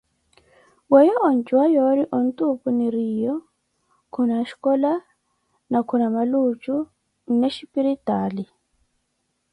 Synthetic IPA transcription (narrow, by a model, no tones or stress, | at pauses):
wɛjɔʔɔn̩t͡ʃuwajɔɾiʔɔntupuniɾijɔ | kʰunaʃi̥kɔla | nakʰunamalut͡ʃʼu | nɛʃipiɾitali